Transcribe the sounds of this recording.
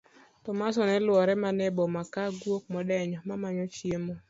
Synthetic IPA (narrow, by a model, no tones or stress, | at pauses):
tɔmasɔnɛlwɔɾɛmanɛbɔmakaɡwok̚mɔdɛɲɔmamaɲɔt͡ʃjemo